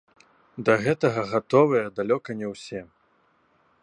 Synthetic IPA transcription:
d̪ɐɣɛt̪ɐɣɐɣat̪ɔvɨjɐd̪alʲɔkɐnʲɛwsʲɛ

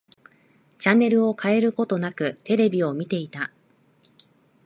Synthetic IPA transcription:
t͡ɕanːe̞ɾɯ̟o̞kʰae̞ɾɯ̟ko̞t̪o̞nakɯ̟t̪e̞ɾe̞bʲio̞mʲit̪e̞it̪a

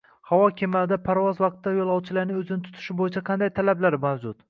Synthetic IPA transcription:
hawɒkʲʰemad̪apʰaɾvɒzvɑq̚t̪ːajolˠɒwt͡ʃʰɪlaɾnɪɵzɪnɪt̪ʰʊ̥t̪ʰɪ̥ʃɪbojɪt͡ʃʰaqʰɑnd̪ajt̪ʰalablaɾmawd͡ʒʊt̪

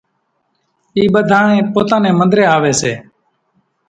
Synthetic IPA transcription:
iːɓəd̪ʱaːɳeːpoːt̪aːnẽːmənd̪ɾeːaːʋeːseː

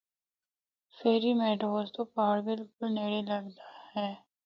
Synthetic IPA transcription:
feːɾimɛːʈoːzt̪opaːɽbɪlkʊlneːɽelɐɡd̪ahɛː

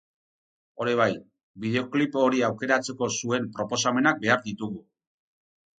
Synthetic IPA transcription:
o̞ɾiβ̞aj | biðe̞o̞klipo̞ɾiawke̞ɾat͡se̞ko̞sue̞mpɾo̞po̞same̞nak̚be̞aɾd̪it̪uɣu

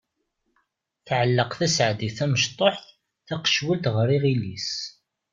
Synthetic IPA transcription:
θʕəlːəqθæsʕd̪iθæməʃt̪ˤoħθ | θæqə̥ʃwəlt̪ʁəɾiʁilis

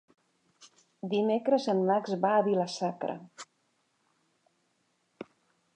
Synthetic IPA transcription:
d̪imekɾəzənmakzβaːβiləsakɾə̰

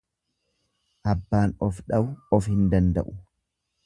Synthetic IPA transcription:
ʔɐbːaːnɔfᶑɐbʊɔfhɪnd̪ɐnd̪ɐʔʊ

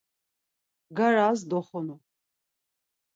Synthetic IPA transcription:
ɡaɾaːzd̪ɔχɔnɔ

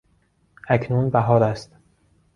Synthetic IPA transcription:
ʔæcʰnuːnbæɦɒːɾæst̪

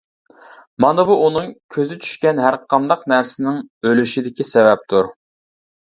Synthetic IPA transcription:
mɑnɨbuʔunɨŋkʲʰøzɪt͡ʃʰy̥ʃkʲɛnɦæɾqʰɑmd̪ɑqnæɾsɪnɪŋølyʃid̪ɪkʲisɛvɛp̚t̪ʰuɾ

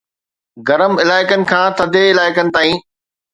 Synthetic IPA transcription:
ɡɐɾəmɪlaːɪkənɪ̆kʰãːt̪ʰɐd̪ʱeɪlaːɪkənɪ̆t̪aːĩː

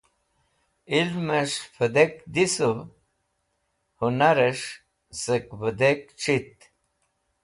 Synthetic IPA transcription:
ilməʂfʰəd̪ekd̪isu | hunaɾeʂ | səkbəd̪ekʈ͡ʂʰit̪̚

